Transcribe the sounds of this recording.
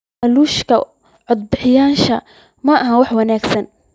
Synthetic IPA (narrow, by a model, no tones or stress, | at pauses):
ʔɐluːʃkʰɐ | ʕɔd̪̚bɪħɪjaːʃɐ | mɐʔɐɦɐwɑħwɐnaːɡsɐn